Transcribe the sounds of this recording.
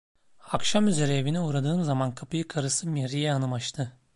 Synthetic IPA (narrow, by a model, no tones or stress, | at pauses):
akʃamyzeɾɛːviniuːɾad̪ɯːmzamankʰapɯjɯkʰaɾɯsɯmeɾijɛanɯmat͡ʃt̪ʰɯ